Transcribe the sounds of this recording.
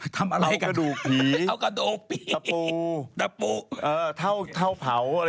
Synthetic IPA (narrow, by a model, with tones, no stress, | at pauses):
t̪ʰa˧mʔa˧ɾa˧jkaa˧duː˨˩k̚pʰiː˨˦a˧wka˧doː˨˩k̚pʰia˧uː˧t̪a˧puː˧˩ʔɤː˧t̪ʰa˥˩wt̪ʰa˥˩wpʰa˩˦w